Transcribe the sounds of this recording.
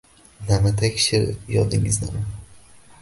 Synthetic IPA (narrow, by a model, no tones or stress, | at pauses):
namat̪ʰakʲʃɪɾjɒd̪ɪŋɪzna̰ma